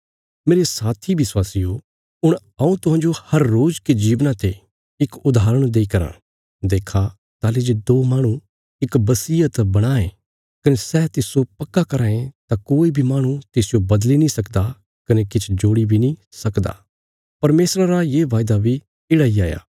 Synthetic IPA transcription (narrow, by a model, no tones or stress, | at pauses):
meːɾesaːt̪ʰibɪswaːsijo | ʊɽ̃ | ɐũt̪ʊɦãːnd͡ʒohɐɾːoːd͡ʒked͡ʒiːʋnat̪e | ɪkʊd̪ʱaːɾəɽ̃d̪eːikɐɾã̰ː | d̪eːkʰa | t̪aːled͡ʒed̪oːmaːɽ̃ũ | ɪkbɐsiːət̪bɐɽ̃aːẽ | kɐnesɛːt̪ɪsopɐkːakɐɾaːẽt̪akoːibʱimaːɽ̃ũt̪ɪsɪjobɐd̪linĩsɐkd̪a | kɐnekɪt͡ʃʰd͡ʒoːɽibʱinĩ | sɐkd̪a̰ː | pɐɾmeːsɾaɾajeːʋaːjd̪abʱi | ɪːɽaiaːja̰ː